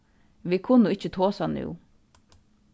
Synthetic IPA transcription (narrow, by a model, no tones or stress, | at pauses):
ʋikʰʊnːəɪt͡ʃːət̪ʰoːsanʉ̰ː